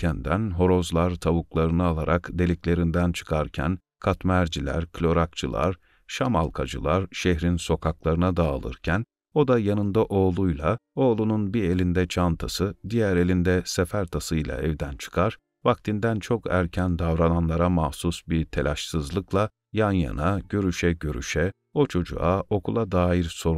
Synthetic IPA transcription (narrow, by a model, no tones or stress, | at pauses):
ænd̪ænɦo̞ɾo̞zlˠaɾt̪ʰaβuklˠaɾɯnɯalˠaɾakd̪e̞lʲiclʲe̞ɾind̪ænt͡ʃʰɯ̥kʰaɾcʰæ̰n | kʰat̪mæɾd͡ʒilʲæ̰ɾkʰlʲo̞ɾakt͡ʃʰɯ̰lˠa̰ɾ | ʃama̰lˠkʰad͡ʒɯ̰lˠaɾʃeɦɾinso̞kʰaklˠaɾɯnad̪aːlˠɯ̰ɾcʰæn | o̞d̪ajanɯnd̪aʔo̞ːlˠujlˠao̞ːlˠununbielʲind̪ɛt͡ʃʰant̪ʰasɯd̪ijæɾe̞lʲind̪ɛsefæɾt̪ʰasɯjlˠa̰ɛvd̪ænt͡ʃʰɯ̥kʰaɾ | vak̚t̪ʰind̪ænt͡ʃʰo̞kʰæ̰ɾcʰænd̪avɾananlˠaɾamahsusbiɾt̪ʰe̞lʔaʃsɯzlˠɯklˠa | janja̰naɟøɾyʃɛɟøɾy̰ʃɛ | o̞t͡ʃʰo̞d͡ʒṵao̞kʰulˠad̪aːjiɾso̞ɾ